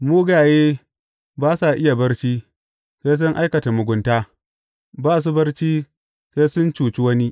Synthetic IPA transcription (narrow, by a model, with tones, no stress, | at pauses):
muː˦ɡaː˨jeː˦ | baː˦sa˨ʔɪ˦ja˨bɐ˦ɽt͡ʃiː˦ | se˦s̬ʊ˦ŋʔa˦jkɐ˨ta˨mʊ˨ɡʷʊ˨ntaː˦ | baː˦s̬u˦bɐ˦rt͡ʃiː˦ | se˦sʊ˦nt͡ʃuː˨t͡ʃi˦wɐ˦ni˦